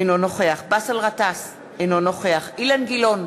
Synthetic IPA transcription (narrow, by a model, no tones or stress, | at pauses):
enonoχeaχbasalʁat̪as | enonoχeaχilanɡilo̞n